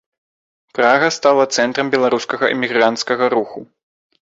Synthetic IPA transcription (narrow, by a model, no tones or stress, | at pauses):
pɾaɣɐst̪alˠɐt̪sɛnt̪ɾɐmbʲɛlˠaɾuskɐɣɐʔɛ̰mʲiɣɾant̪skɐɣɐɾuxu